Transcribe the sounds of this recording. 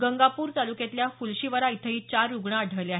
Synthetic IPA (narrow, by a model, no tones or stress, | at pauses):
ɡəŋɡapuːɾt̪alukjẽt̪ljafulɕiʋəɾait̪ʰəɦiːt͡ɕaɾːuɡɳaːɽ̤ʱəʋleaɦ